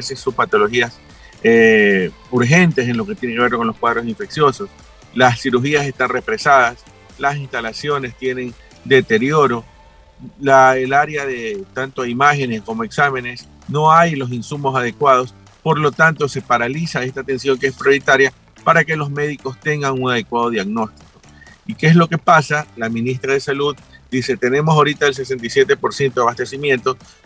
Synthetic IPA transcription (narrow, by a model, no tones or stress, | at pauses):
sesuspat̪o̞lo̞xias | e | uɾxe̞nt̪e̞s̬e̞nlo̞ket̪jeneke̞βe̞ɾko̞nlo̞skwaðɾo̞siɱfe̞ksjo̞so̞s | lassiɾuxiase̞st̪anrefɾe̞saðas | lasinst̪alasjo̞ne̞st̪je̞ne̞n | d̪e̞t̪e̞ɾjo̞ɾo̞ | laelaɾjaðe̞t̪ant̪oaimaxe̞nesko̞mo̞e̞ksame̞ne̞s | no̞ajlo̞s̬insumo̞s̬að̞e̞kwað̞o̞s | po̞ɾlo̞t̪ant̪o̞se̞paɾalisae̞st̪at̪e̞nsjo̞ŋkee̞spɾjo̞ɾit̪aɾja | paɾake̞lo̞zme̞ðiko̞st̪e̞ŋɡaŋunað̞e̞kwaðo̞ðjaɣno̞st̪i̥ko̞ | ikeeslo̞ke̞pasalaminist̪ɾaðe̞saluðd̪ise̞t̪e̞ne̞mo̞saoɾit̪aels̬e̞s̬e̞nt̪ajsje̞t̪e̞po̞ɾsje̞nt̪oaβast̪e̞simjẽ̞nt̪o